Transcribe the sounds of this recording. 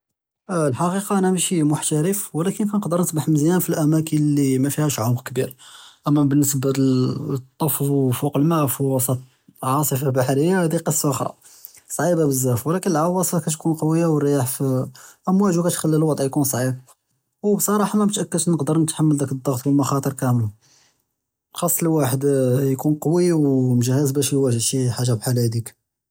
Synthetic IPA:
lħɑqiqɑʔænæmæʃimʊħt̪æɾəfwəlækənkænəqd̪əɾˤnəsbaħməzjænfilʔæmækəlimæfihæʃʕʊmqkbiɾʔæmːæbənːəsb | t̪ˤːɑfzˤwfuqəlmæʔfiwɑsˤɑt̪ | ʕɑsˤəfabaħɾəjːahæd̪iqəsˤːʔʊxɾˤɑ̰ | sˤʕibabəzːæfwlækənəlʕawɑsˤfɑkæt̪kunqɑwəjːawərːjaħfiʔæmwæʒukæt̪xælːilwɑd̪ˤʕjkunsˤʕib̚ | wbsˤɑɾˤɑħnæmt̪ʔækːəd̪nəqd̪əɾnət̪ħamːəld̪ækəd̪ˤːɑɣt̪wəlmʊxɑt̪ˤəɾˤkæmu | xɑsˤːləwaħəd̪jkunqɑwiwmʒəhəzbæʃjwæʒʃiħaʒːabħalæd̪ik

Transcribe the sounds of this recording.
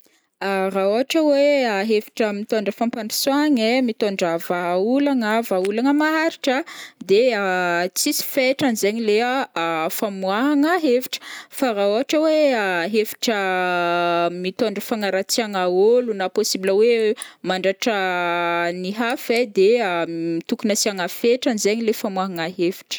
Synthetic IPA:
araoɦaʈ͡ʂəweaɦevi̥ʈ͡ʂəmit̪oɳɖ͡ʐəfampaɳi̥swaŋemit̪oɳɖ͡ʐəvaulaŋəvaulaŋəmaɦaɾiʈ͡ʂəd̪eat͡sisi̥feʈ͡ʂanzeɲileafamuwaɦaŋəɦevi̥ʈ͡ʂə̥faɾaoaʈ͡ʂəweaɦevi̥ʈ͡ʂə | mit̪oɳɖ͡ʐəfaŋaɾat͡siaŋaolunaposibləwemaɳɖ͡ʐaʈ͡ʂə | niɦafed̪eəmit̪ukunasiaŋafeʈ͡ʂanizeɲilefamwaɦaŋaɦevi̥ʈ͡ʂə̥

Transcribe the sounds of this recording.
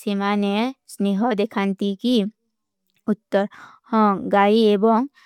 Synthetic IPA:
simanesneɦɔd̪ekʰant̪iki | ut̪ːəɾ | hɔ̃ɡaiebɔŋ

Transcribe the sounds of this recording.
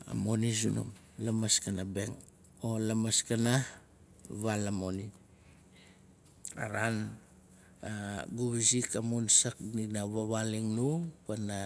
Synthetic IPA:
a̰mo̞nizuno̰m | lamaskanabeŋ | olamaskana | βalamoni | a̰ɾan | aɡuβizikamunsakninaβaβaliŋnupana

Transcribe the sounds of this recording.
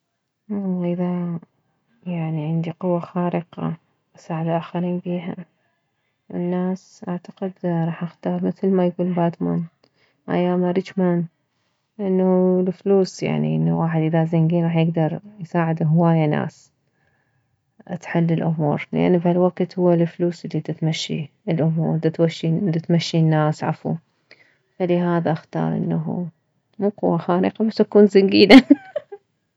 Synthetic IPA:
wɑlˤːɑːʔɪða | jaʕniʕɪnd̪iqʊwːaxaːɾɨqɑ̰ | ʔasaːʕɪd̪aʔaːxaɾiːnbiːɦa̰ | wɪ̰nːaːsʔaʕt̪ḁqɪd̪ɾˤɑːħʔɪxt̪ɑɾˤmɪθlmajɡuːlbaːt̪ma̰n | ʔa̰jaːmaɾɪt͡ʃman | ʔɪnːalfluːsja̰ʕnḭʔɪnːawaːħɪd̪ʔɪðazaŋɡiːnɾˤɑːħjɪɡd̪ɑɾˤjsaːʕɪd̪ɦwaːjana̰ːs | ʔt̪ħɪlːɪlʔʊmṵːɾˤlɪ̰ʔa̰nːfhalwaɡt̪hʊwːalfluːsʔɪlːid̪ɪt̪maʃːḭ | ɪlʔʊmṵːɾd̪ɪt̪waʃːid̪ɪt̪maʃːinːaːsʕafṵ | falɪɦaːðaʔaxt̪ɑ̰ːɾˤʔɪ̰nːaɦṵ | muːqʊwːaxaːɾɪqabasʔakuːnzaŋɡiːla

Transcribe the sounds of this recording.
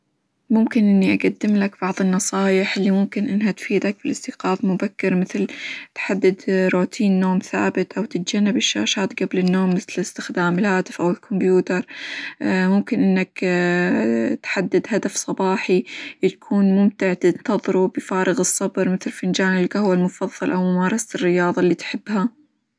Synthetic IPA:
mʊmkɪnʔɪnːiʔaɡad̪ːɪmlakb̥ɑʕðˤɨnːɑsˤɑːjɪħʔɪlːimʊmkɪnʔɪnːɦat̪fiːd̪ak̚b̥ɪlʔɪst̪ɪqɑːfmʊbakːɪɾmɪθlt̪ħad̪ːɪd̪ɾuːt̪ʰiːnːoːmθa̰ːbɪt̪ʔawt̪ɪt̪̚d͡ʒanːɪbɪʃːa̰ːʃaːt̪ɡablɪnːoːmːɪθlɪst̪ɪxd̪aːmɪlhaːt̪ɪfʔawɪlkʰʊmbjuːt̪ɑɾˤ | mʊmkɪnʔɪnːak | t̪ħad̪ːɪd̪ɦad̪afsˤɑbɑːħit̪kʰuːnmʊmt̪ɪʕt̪ɪnt̪ɑðˤɾubɪfaːɾˤɑɣɨsˤːɑbɾˤmɪθlfɪnd͡ʒaːnɪlɡahwalmʊfɑðˤːɑlʔawmʊmɑːɾˤɑsaɪrːɪjɑːðˤɑlːiːt̪ħɪbːha

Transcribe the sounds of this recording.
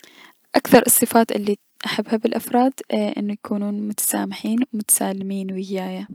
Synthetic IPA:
ʔakθɑɾˤɨsˤːɨfaːt̪ʔɪ̰lːi | ʔaħabːhabɪlʔafɾˤɑːd̪ʔɪ̰nːujakʰuːnuːnmʊt̪ḁsaːmɪħiːnwmʊt̪ḁsaːlɪmiːnwɪɡɪjaːja

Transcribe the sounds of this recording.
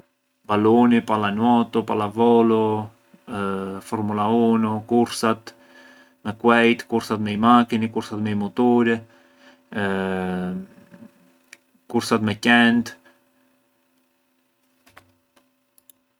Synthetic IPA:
balunipalanwɔt̪upalavɔlu | fɔɾmulaunukuɾsat̪ | mɛkwɛjt̪kuɾsat̪mɛimakinikuɾsat̪mɛimut̪uɾɛ | kuɾsat̪mɛcɛnt̪

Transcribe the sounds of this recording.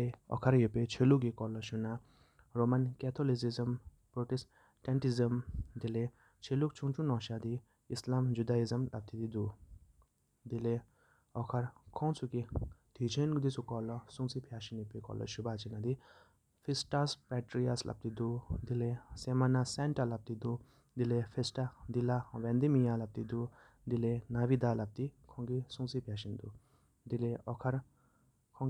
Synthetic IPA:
eɔ̰kʰɐɾjepet͡ʃʰeluk̬ikɔːlɔʃuna | ɾomɐnkɛt̪ʰolisizɐm | pɾoʈis | ʈeɳʈizɐmd̪ile | t͡ʃʰeluk̚t͡ʃʰuŋt͡ʃũnɔːʃad̪i | islamd͡ʒud̪aːizɐmlɐ̰p̚t̪ʰid̪id̪u | d̪ile | ɔkʰɐɾkʰɔ̃ːt͡sukid̪ʰit͡ʃʰenɡud̪isukɔːlɔsuŋt͡sipʰjaːʃinipikɔ̰ːlɔ̰ʃubaːt͡ʃinɐd̪i | fʰisʈaspɛʈɾijaslʔɐ̰b̚t̪id̪ud̪ilesemanasɛɳʈɐlɐp̚t̪id̪u | d̪ilefʰesʈad̪ilaʋẽnd̪imijalɐp̚t̪id̪u | d̪ilenaʋid̪aːlɐp̚t̪ikʰɔ̃ŋɡisũŋt͡sipʰjaːʃind̪u | d̪ileɔkʰɐɾ | kʰɔ̃ŋ

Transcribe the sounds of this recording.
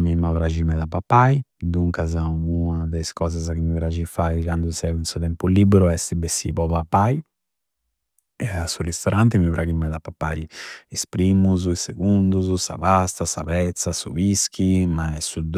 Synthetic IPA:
mimawɾad͡ʒimɛd̪apapːajd̪uŋkazauad̪ajskɔzazakimipɾad͡ʒifajkand̪usɛvunsut̪ɛmpulibɛɾuɛst̪ibesḭpɔpapːaj | ɛasurist̪ɔɾʔant̪imipɾʔaɡimɛd̪apapːaɾiispɾimuzuiseɡund̪uzusa̰βast̪asaβɛt̪sasṵviskʰimaɛsud̪

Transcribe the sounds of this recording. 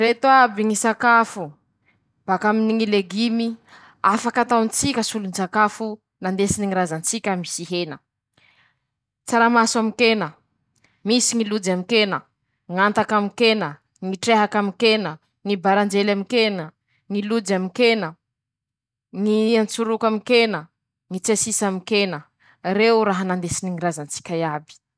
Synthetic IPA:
ret̪uabiŋisakafu | b̥akaminiŋileɡimi | afakat̪awnt͡sikʲəsulunisakafu | nand̪esiniŋiɾazant͡sikʲamisiɦenə | t͡saɾamaswamikenə | misiŋilud͡zamikenə | ŋant̪akamikenə | ŋiʈ͡ʂeɦakamikenə | ŋibaɾand͡ʒelamikenə | ŋilud͡zamikenə | ŋiant͡suɾukamikenə | ŋit͡sasisamikenə | rewɾaɦanand̪esiniŋiɾazant͡si̥kʲajabi̥

